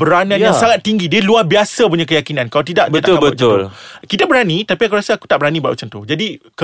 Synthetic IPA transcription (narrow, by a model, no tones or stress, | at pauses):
bəɾanãjasaŋat̪ːiŋɡidiəluahbiasapuɲãkəjakinãnkalat̪idaʔbətakːaməəʊlkit̪abəɾanit̪apiakuɾasaaku̥t̪aʔbəɾanibaʔṵʔt͡ʃənt̪ud͡ʒadik